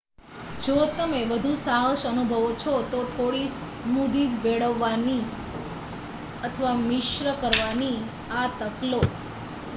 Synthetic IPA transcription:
d͡ʒot̪əmeʋəd̪ʱusaɦoʃənubʱəʋot͡ʃʰot̪ot̪ʰoɽis | mud̪id͡ʒbeɽəʋːani | ət̪ʰəʋamɪʃɾəkəɾʋani | at̪əklo

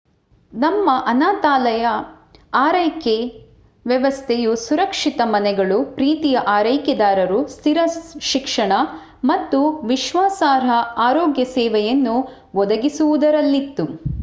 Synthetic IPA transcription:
nɐmːɐʔɐnaːt̪aːlɐjɐ | aːɾɐjke | ʋjɐʋɐst̪ʰejusuɾɐkʂit̪ɐmɐnɛɡɐɭupɾiːt̪ijɐʔaːɾɐjkjɐd̪aːɾɐɾust̪ʰiɾɐʃikʂɐɳɐ | mɐt̪ːuʋiʃʋaːsaːɾɐaːɾoːɡjɐsɛːʋɛjɐnːu | ʋɔd̪ɐɡisuʋud̪ɐɾɐlːit̪ːu

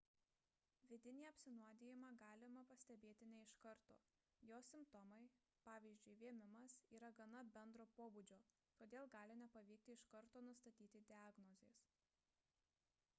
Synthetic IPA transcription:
ʋʲɪd̪ʲɪnʲiːɐpʲsʲɪnuɔd̪ʲeːjɪmɑːɡɑːlʲɪmɐpɐsʲt̪ʲɛbʲeːt̪ʲɪnʲɛɪʃkɐɾt̪o̰ː | joːsʲɪmpt̪ɔmɐɪ | pɑːʋʲiːzʲd͡ʒʲʊɪʋʲiɛmʲɪmɐsiːɾɐɡɐnɐbʲɛnd̪ɾoːpoːbud͡ʒʲoː | t̪oːd̪ʲeːlˠɡɑːlʲɪnʲɛpɐʋʲɛɪk̚t̪ʲɪɪʃkɐɾt̪oːnʊst̪ɐt̪ʲiːt̪ʲɪd̪ʲɪɑːɡnɔzʲeːs

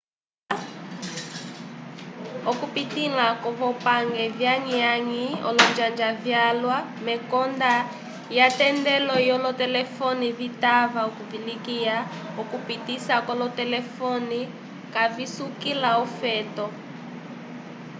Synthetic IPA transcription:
ɔkupitilakɔβɔpaŋɡɛvjaɲiaɲiɔ̰lɔnd͡ʒand͡ʒavjalwa | mɛkɔnda | jatɛndɛlɔjɔlɔtɛlɛfɔniβitavaokuvilikia | ɔkupitisakɔlɔtɛlɛfɔni | kavisukilaɔfɛtɔ

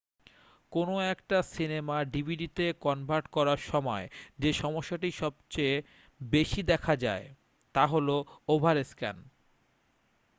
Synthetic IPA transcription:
konoɛkʈasinemaɖibʱiɖit̪ekɔnbʱaɾʈkɔɾaɾʃɔmɔed͡ʑeʃɔmoʃːaʈiʃɔbt͡ɕe | beʃid̪ɛkʰad͡ʑae | t̪aɦoloobʱaɾeskɛ̰n

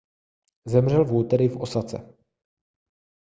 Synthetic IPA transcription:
zɛmr̝ɛlvuːt̪ɛɾɪfo̞sat͡sɛ̰

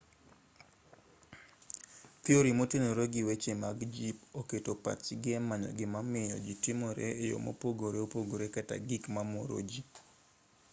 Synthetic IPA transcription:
pɪoɾimotenoɾoɡɪwet͡ʃemaɡd͡ʒipoketopa̰t͡ʃiɡɛmaɲɔ̰ɡɪmamɪjɔ̰d͡ʒitimoɾḛejo̰mo̰poɡoɾeopoɡoɾekata̰ɡikmamoɾo̰d͡ʒi

